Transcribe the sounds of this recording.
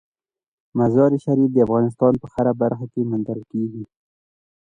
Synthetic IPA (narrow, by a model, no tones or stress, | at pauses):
mazɑɾiʃaɾifd̪əafɣɑnɪs̬t̪ɑnpəxaɾabaɾxakemand̪aɾkeɡi